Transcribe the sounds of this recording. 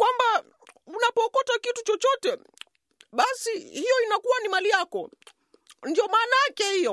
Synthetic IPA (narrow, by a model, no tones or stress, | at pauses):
kwamba | unapɔːkɔtakitut͡ʃɔt͡ʃɔtɛ | ɓasihijɔinakuwanimalijakɔ̰ | ndiɔmaːnaakɛhijɔ